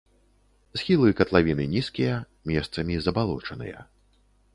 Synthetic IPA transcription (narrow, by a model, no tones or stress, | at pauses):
sxʲilˠɨkɐt̪lˠavʲinɨnʲiskʲijɐ | mʲɛst̪sɐmʲizɐbalˠɔt͡ʂɐnɨ̰jɐ̰